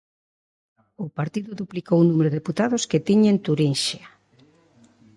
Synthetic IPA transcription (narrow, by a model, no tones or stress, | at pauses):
ʊpaɾt̪iðʊðuplikowunumeɾʊðeput̪aðʊsket̪iɲent̪uɾinʃea